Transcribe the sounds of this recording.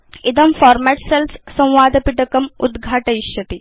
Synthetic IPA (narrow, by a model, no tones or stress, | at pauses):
id̪ɐmfɔːɾmɛʈselssɐ̃w̃ʋaːd̪ʱɐpiʈɐkɐmud̪ɡʱaːʈɐiɕɐt̪i